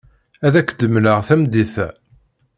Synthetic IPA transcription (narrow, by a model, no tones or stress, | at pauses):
æðækːd̪əmləʁθæmd̪iθæ